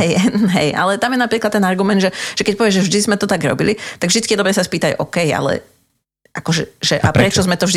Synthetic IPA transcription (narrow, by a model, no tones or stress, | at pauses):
ɦɛjɦɛ̰jʔa̰lɛt̪amjɛnapɾiːklˠat̪ːɛnaɾɡumɛnd̪ʒɛʒ̥ɛkɛc̚pɔʋɪɛʒɛvʒd̪izmɛt̪ɔt̪aɡɾɔ̰bilit̪aɡvʒd̪it͡skijɛd̪ɔbɾɛːsaspiːt̪aɟʔɔkɛja̰lɛ̰ | ʔakɔʒɛʒɛʔapɾɛt͡ʃɔzmɛt̪ɔʒd̪